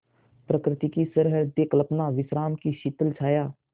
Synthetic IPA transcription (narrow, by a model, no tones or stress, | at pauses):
pɾəkɾɪt̪ikisəɾɦəd̪eːkləpnaːʋɪsɾaːmkiʃit̪əlt͡ʃʰaːjaː